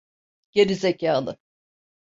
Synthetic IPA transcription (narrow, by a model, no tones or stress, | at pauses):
ɟ̥eɾizecʰaːlˠɯ̰